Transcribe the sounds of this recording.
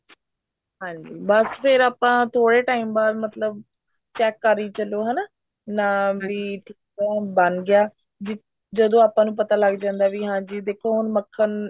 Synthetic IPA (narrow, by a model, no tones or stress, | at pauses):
ɦãːɲd͡ʒiːbəspʰɪɾaːpãːt̪ʰoːɽeːʈaːiːmbaːɾmət̪ləb | t͡ʃɛːkːəɾiːt͡ʃəloːɦɛːnaː | naːbiːʈʰiːkɛːbənɡɪjaː | d͡ʒɪ | d͡ʒəd̪õːaːpãːnũːpət̪aːləɡd͡ʒãːnd̪aːʋiːɦãːɲd͡ʒiːd̪eːkʰːoːɦʊnməkʰːən